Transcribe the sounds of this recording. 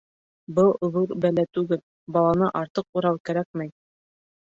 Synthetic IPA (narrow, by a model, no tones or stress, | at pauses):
bɤlˠŏðuɾbælæt̪ʉɡɘl | bɑlˠɑnɤʔɑɾt̪ɤquɾɑwkæɾæk̚mæj